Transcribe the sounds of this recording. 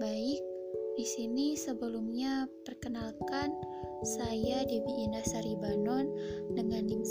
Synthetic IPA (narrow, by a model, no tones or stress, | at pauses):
baɪk̚disinisəbəlumɲapərkənalkan | sajadibiʔinahsaɾibanɔndəŋaniŋ